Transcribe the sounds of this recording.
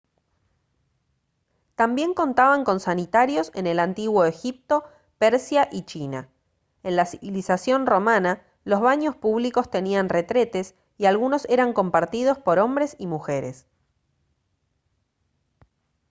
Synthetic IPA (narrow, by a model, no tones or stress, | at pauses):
t̪ambje̞ŋko̞nt̪aβaŋko̞nsanit̪aɾjo̞sḛne̞lant̪iɣwo̞e̞xip̚t̪o̞ | peɾsjaʔit͡ʃina̰ | e̞nlasiβilisasjo̞nro̞mana | lo̞zβaɲo̞spuβliko̞st̪e̞nianre̞t̪ɾe̞t̪e̞s | ialɣuno̞se̞ɾaŋko̞mpaɾt̪ið̞o̞spo̞ɾo̞mbɾe̞simuxe̞ɾes